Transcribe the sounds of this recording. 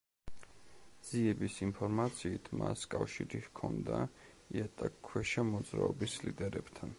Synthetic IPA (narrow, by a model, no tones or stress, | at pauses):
z̥iɛbisimpʰɔɾmat̪sʰiːt̪ʰmaskʼafʃiɾihkʰɔnd̪a | iat̪ʼakʰːwɛʃamɔd̪zɾa̰ɔbislid̪ɛɾɛb̥t̪ʰan